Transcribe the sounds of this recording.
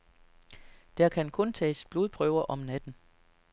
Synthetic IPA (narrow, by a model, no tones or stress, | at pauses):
d̥æɐkʰænkʰɔ̽nt͡sʰɛ̰ːsb̥loðˠpʰʁœʊɐʔɒ̽mnæd̥n̩